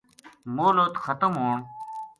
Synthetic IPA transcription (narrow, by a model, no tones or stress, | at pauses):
moːlot̪xət̪əmɦõːm